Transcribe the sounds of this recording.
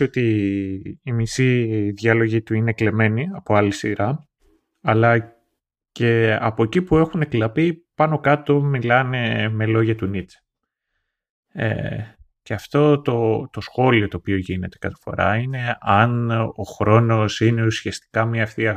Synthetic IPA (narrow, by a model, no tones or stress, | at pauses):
o̞t̪iː | misiðʝɐlo̞ʝit̪uinekle̞me̞niɐpo̞ɐlisiɾɐ | ɐlɐ | ce̞ɐ̰po̞ecipue̞xune̞klɐpipɐno̞kɐt̪o̞milɐne̞me̞lo̞ʝɐt̪unit̪ | ḛ | ce̞ɐft̪o̞t̪o̞t̪o̞sxo̞lio̞t̪o̞ːpio̞ʝine̞t̪e̞kɐt̪e̥fo̞̰ɾɐ̰ine̞ɐno̞xɾo̞no̞sine̞usiɐst̪i̥kɐmiɐːft̪iɐ